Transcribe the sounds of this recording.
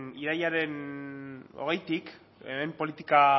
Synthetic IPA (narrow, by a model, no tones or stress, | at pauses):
niɾajaɾe̞n | o̞̰ɣ̞e̞jt̪ik | eme̞mpo̞lit̪ika